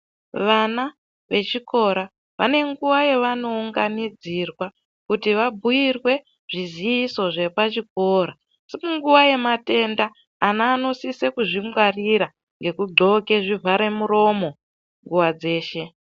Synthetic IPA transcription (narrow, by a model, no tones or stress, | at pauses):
ʋana | ʋe̞t͡ʃiko̞ɾa | ʋa̰ne̞ŋɡuʋaje̞ʋano̞uŋɡanid͡zirwa | kutiʋabujirwe̞ | ʐ̥iziːso̞ʐe̞pat͡ʃiko̞ːɾa | sikuŋɡuʋaje̞mate̞ndaː | naːno̞sisekuʐimwariɾa | ŋɡe̞kuɡ͡ǃʱo̞ke̞ʐivaɾe̞muɾo̞mo̞ | ŋɡuwad͡ze̞ːʃe̞